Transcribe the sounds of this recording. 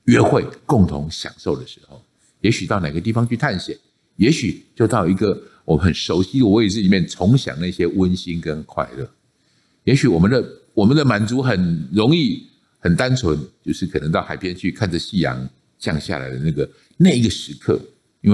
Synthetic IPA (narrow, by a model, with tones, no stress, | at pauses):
ɥɛ˥xwe˥˧ɪkʊ˥˩ŋt̪ʰʊ̰˧˦ŋɕjɑ̰˨˩ŋʂo˥˩ʊd̪ə˩ʂɻ̩˧˥xo˥˨˩ʊ | jɛ˧˥ɕy˨˩t̪ɑ˥˩ʊna˨˩ɪɡə˦i˥˩fɑ˧ŋt͡ɕʰy˥˧t̪ʰa˥˩nɕjɛ˨˩˦ | jɛ˧˥ɕy˨˩t͡ɕjo˥˧ʊt̪ɑ˥˩ʊi˧˥ɡə˨wɔ˨mə˨nxə˨˩nʂo˧˥ʊɕi˧˥d̪ə˨wɔ˧˦˥i˨˩ʂɻ̩˥˩li˨˩mjɛ˥˨nt͡sʰʊ˧˥ŋɕjɑ̰˨˩ŋna˥˩ɕjɛ˦wə˦˥nɕi˦˥nkə˦nkʰwa̰˥˧ɪlə̰˥˨˩ | jɛ˧˥ɕy˨˩wɔ˨˩mə˦nd̪ə˨ | wɔ˨˩mə˦nd̪ə˨ma˨˩nt͡su˧˥xə˨˩nɻʊ˧˥ŋi˥˩ | hə˨˩nt̪a˦nt͡sʰwə˧˦nt͡ɕjo˥˧ʊʂɻ̩˥˩kʰɤ˨˩nə˧˦ŋt̪ɑ˥˩ʊxa˨˩ɪpʰjɛ˥nt͡ɕʰy˥˧kʰa˥˩nd͡zə˩ɕi˥˩jɑ̰˧˥ŋ | t͡ɕjɑ̰˥˧ŋɕja̰˥˨la̰˨˦ɪd̪ə˩na˥˩ɡə˩ | na˥˩ɪi˥ɡə˨ʂɻ̩˧˥kʰɤ̰˥˩ | i˥nwe˥˩